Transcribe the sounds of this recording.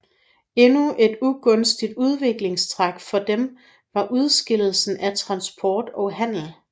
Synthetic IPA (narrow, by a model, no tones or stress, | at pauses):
e̝nuʔe̝d̥uɡ̥ɔ̽nsd̥id̥uð̞ˠʋe̝ɡ̥le̝ŋst͡sʰʁaɡ̥fɒ̽d̥em | ʋɑ̈ʔuð̞ˠsɡ̥e̝l̰l̩sn̩ʔæt͡sʰʁɑ̈nsb̥ʰɒːd̥ɒ̽ɦæn̰l̩